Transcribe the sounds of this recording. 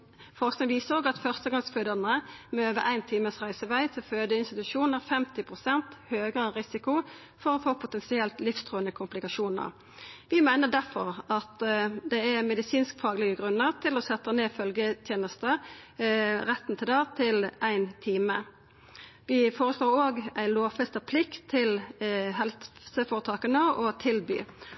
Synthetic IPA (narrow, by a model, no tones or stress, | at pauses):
fɔʁsknɪŋʋiːsəɾoːɡɑt̪fœʁst̪əɡɑŋsføːd̪ənəmɛøːʋəɾʔæɪnt̪ʰiːməsʁæɪsəʋæɪt̪ʰɪlføːd̪əɪnst̪ɪt̪ʉʂuːnəʁfɛmt̪ɪpʰʁʊsɛnt̪høːɡəʁəʁɪsɪkʊ | fɔɾɔfoːpʰʊt̪ɛnsɪɛlt̪lɪfst̪ʰʁuːənəkʰʊmplɪkɑʃuːnə̰ʁ | ʋɪmæɪnəd̪æʁfɔʁɑt̪d̪ɛæmɛd̪ɪsiːnskfɑːɡlɪɡəɡʁʉnːəʁt̪ʰɪlɔsɛt̪ːəneːfœlɡət̪ʰjeːnəst̪ə | ɾɛt̪ːn̩t̪ʰɪld̪ɑːt̪ʰɪlʔæɪnt̪ʰiːmə | ʋɪfoːɾəsloːɾoːɡæɪloːfɛst̪əpʰlɪk̪ʰɪlɦɛlsəfoːɾət̪ʰɑːkənəɔt̪ʰɪlby̰ː